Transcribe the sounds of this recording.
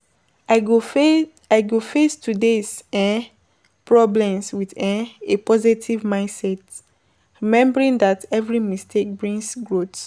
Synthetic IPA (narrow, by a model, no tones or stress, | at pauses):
aɡ | aɪɡofestudesɛ̃ | pɹɔblɛ̃mswiðɛ̃epɔzitʰivmãɪ̃ndsɛt | ɹimɛ̃mbəɹĩndatɛvɹimistʰek̚bɹĩŋsɡɹot